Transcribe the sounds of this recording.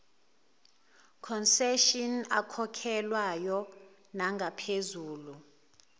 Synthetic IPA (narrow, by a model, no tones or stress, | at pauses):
kʰɔnsɛʃina̰kʰɔkʰɛlwajɔ | naŋɡʱapʰezuːlu